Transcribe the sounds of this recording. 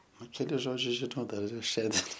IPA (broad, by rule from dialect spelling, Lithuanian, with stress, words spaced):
ˈnʊ kʲɛˈlʲɪs ˈʒoːd͡ʒʲʊs ʒʲɪˈnɐʊ ˈdɐr ɪr ˈʃʲɛnʲdʲiɛn